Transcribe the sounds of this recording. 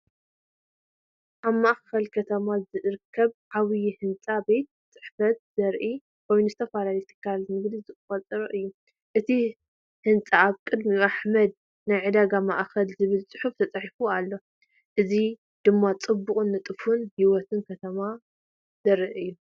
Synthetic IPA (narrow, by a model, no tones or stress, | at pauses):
ʔaβmaʔxkɐlkʰɐt̪ʰɐmazɨʔɾɨkʰːɐβʕaβɨjhɨnt͡sʼabe̞t̪̚ɨt͡sʼɨ̥ħfɐt̪̚z̥ɐɾʔi | wojnuzɨt̪ʰɐfalalit̪ʰɨ̥kʰːalnɨɡd̪izɨkʼɨfɐt͡sʼɨɾɐʔɨjːu | ʔɨt̪ʰi | hɨnt͡sʼaːβkʼɨd̪miʔaħmɐd̪̚ | najʕɨd̪aɡama̰ʔxɐlzɨβɨlt͡sʼɨħuft̪ʰɐt͡sʼɐħifualːo̞ | ʔɨzi | d̪̥ɨmːat͡sʼɨbːuχʼɨnːɨt̪ʼɨfunhiwɔt̪ʰɨnkʰɐt̪ʰɐma | z̥ɐɾɨʔɨjːu